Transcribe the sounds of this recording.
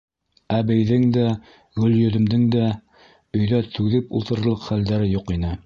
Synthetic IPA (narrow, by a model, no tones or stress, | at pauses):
æbɘjðɘŋd̪æ | ɡɵ̆ljɵ̆ðɵ̆md̪ɘŋd̪æ | ɵ̆jðæt̪ʰʉðɘpulˠt̪ɤ̆ɾ̆lˠɤqχæld̪æɾɘjuqinɘ